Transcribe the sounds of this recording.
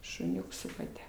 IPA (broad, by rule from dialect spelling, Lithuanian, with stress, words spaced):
ʃʊˈnʲʊks sʊ kɐˈtʲɛ